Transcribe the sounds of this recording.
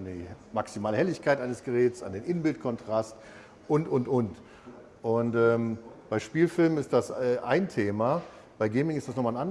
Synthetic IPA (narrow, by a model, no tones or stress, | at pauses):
ndiːmaksimaːləhɛlɪçkʰaɪtʔaɪnəsɡ̥əʁɛːt͡sa̰ndeːnʔɪnbɪlt̚kʰɔntʁ̥ast | ʔʊntʔʊntʔʊnt | ʔʊntʔɛːmb̥aɪʃpiːlfɪlmənɪstd̥asɛʔaɪntʰeːma | b̥aɪɡɛɪmɪŋɪstd̥asnɔχmanʔan